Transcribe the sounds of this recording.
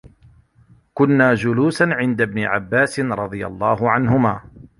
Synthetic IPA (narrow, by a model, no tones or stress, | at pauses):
kʊnːaːd͡ʒʊluːsanʕɪnd̪abnɪʕa̰bːaːsɪnɾˤɑd̪ˤɨja̰lˤːɑːɦʊʕanɦʊmaː